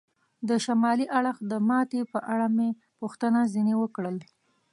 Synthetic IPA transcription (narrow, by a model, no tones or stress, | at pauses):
d̪əʃamɑliʔaɽəxd̪əmɑt̪epəʔaɽame | puxt̪ənazinewəkɽəl